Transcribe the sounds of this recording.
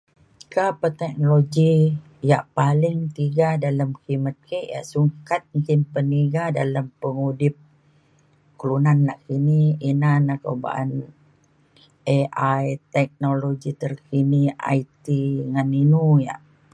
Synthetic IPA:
kapət̪ɛk̚noloɡi | jaʔpalɪŋt̪iɡadaləmkimət̪̚keʔja̰ʔsuŋkat̪̚muŋkɪnpəniɡadalampəŋudɪp̚ | klunanːaʔkiniinanako̰wba̰ʔa̰n | eʔajt̪ɛk̚noloɡit̪ərkiniʔa̰it̪iŋaninuja̰ʔ

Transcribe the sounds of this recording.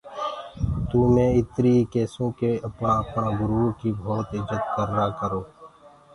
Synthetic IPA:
t̪uːmẽːɪt̪ɾikɛːsõːkeəpnãːəpnãːɡʊɾuːkiːbʱoːt̪ɪd͡ʒət̪kəɾːaːkəɾoː

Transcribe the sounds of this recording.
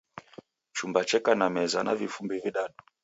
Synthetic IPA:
t͡ʃumbat͡ʃɛkanamɛzanavifumbiviɗaɗuɔ

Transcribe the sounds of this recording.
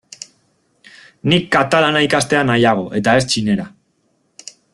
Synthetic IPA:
nikːat̪alanaikast̪e̞anajaɣ̞o̞ʔe̞t̪ae̞st͡ʃine̞ɾa

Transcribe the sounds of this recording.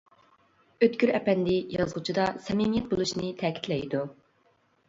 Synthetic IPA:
øt̪kʲyɾɛpɛnd̪ɪjɑzʁut͡ʃʰid̪ɑsɛmimijɛt̪̚bolˠuʃnɪt̪ʰɛkʲi̥t̪ʰlɛjd̪u

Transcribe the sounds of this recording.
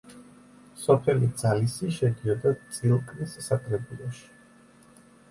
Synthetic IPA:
sɔpʰɛlid̪zalisiʃɛd̪iɔd̪at̪sʼilˠkʼnissakʼʰɾɛbulˠɔʃi̥

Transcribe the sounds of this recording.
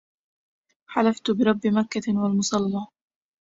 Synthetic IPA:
ħalaft̪bɪɾˤɑbːɪmakːawalmʊsˤɑlːɑː

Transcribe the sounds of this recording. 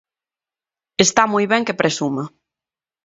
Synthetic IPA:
est̪amojβɛŋkepɾesuma

